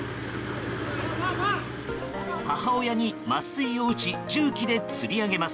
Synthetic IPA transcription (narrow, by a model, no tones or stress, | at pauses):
hahao̞jaɲ̟imasɨio̞ɯ̟t͡ɕid͡ʑɨːkʲid̪e̞t͡sɨɾʲiaɡe̞masɨ̥